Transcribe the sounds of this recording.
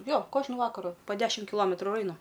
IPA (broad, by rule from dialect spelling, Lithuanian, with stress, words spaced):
ˈjoː ˈkoːʒnʊ ˈʋɑːkɐrʊ poː ˈdʲæːʃʲɪm kʲɪˈlˠoːmʲɛtrʊ ɪr ˈɐɪnʊ